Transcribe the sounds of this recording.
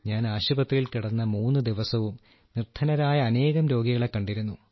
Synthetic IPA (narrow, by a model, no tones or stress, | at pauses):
ɲaːnaːɕubɐt̪ːililkiɽɐnːɐmuːnːɨd̪iʋɐsɐʋum | nirt̪ʰːɐnɐɾaːjɐːne̞ːɣɐmɾo̞ːɡiɣɐɭe̞kːɐɳɖiɾunːu